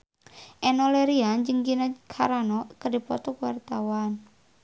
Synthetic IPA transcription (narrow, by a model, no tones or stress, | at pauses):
ʔɛnɔleɾiand͡ʒəŋɡinakʰaɾanɔkədi̤pɔ̰t̪ɔkuwart̪awan